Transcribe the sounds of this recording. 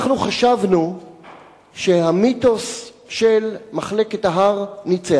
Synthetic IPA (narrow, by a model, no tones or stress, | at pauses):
χnuχaʃavnu | ʃe̞hamito̞s | ʃelmaχle̞ketaɦaʁnit͡se